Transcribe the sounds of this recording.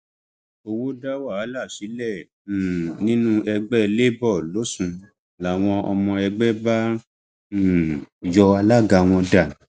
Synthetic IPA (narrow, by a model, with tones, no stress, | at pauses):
o˧wo˦da˦wa˦˨˦la˦˨ʃi˨˦lɛ̃˦˨ | nĩ˦nũ˦ɛ˧ɡ͡bɛ˦˧le˦bɔ˦˨lo˨˦sũ˧ | la˨˦˨w̃ɔ̃˧ɔ˧mɔ̃˧ɛ˧ɡ͡bɛ˦bã˦˨ | jɔ˧a˧la˦ɡa˧w̃ɔ̃˧da˨